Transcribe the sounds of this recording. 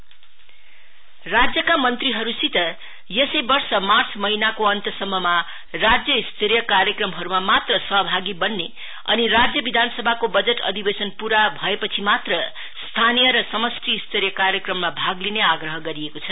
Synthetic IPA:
rad͡zjʌkamʌnt̪riɦʌɾusit̪ʌ | jʌsʌjbʌrsʌmart͡smʌinakoʌnt̪ʌsʌmːʌma | rad͡zjʌist̪ʰeɾjʌkaɾjʌkrʌmɦʌɾumamat̪rʌsʌɦʌbʱaɡibʌnːe | ʌ̰niɾad͡zjʌbid̪ʱansʌbʱakobʌd͡zeʈʌ̰d̪ʱibesʌnpuɾabʱʌepʌt͡sʰimat̪rʌ | st̪ʰanijʌɾʌsʌmʌsʈʰiːst̪ʰeɾjʌkaɾjʌkrʌmːabʱaɡlineaɡrʌɦʌɡʌɾiekot͡sʰʌ

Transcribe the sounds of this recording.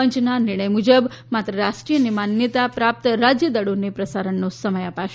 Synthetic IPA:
əɲt͡ʃnanɪɾɳ̃əjmud͡ʒəb | mat̪ɾəɾaʃʈɾijənemanjət̪apɾap̚t̪ɾad͡ʒjəd̪əɽonepɾəsaɾəɳnosəməjapaʃ

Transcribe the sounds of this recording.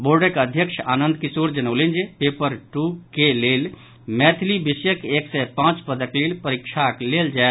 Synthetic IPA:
boːɾɖəkəd̪ʱjəkʃʰanənd̪̚kisoɾd͡ʒənəʊlind͡ʒepepəɾʈukelel | mɛt̪ʰlibisjəkeksɛpãt͡ʃpəd̪əklilpəɾikʃʰakleld͡ʒae

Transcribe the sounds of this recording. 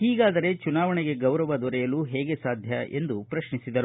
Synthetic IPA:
hiːɡaːd̪ɐɾe̞t͡ʃunaːʋɐɳeɡe̞ɡɐwɾɐʋɐd̪ɔɾɛjɐluɦɛːɡe̞saːd̪ʱjɐʔe̞̰nd̪upɾɐʃnisid̪ɐɾu

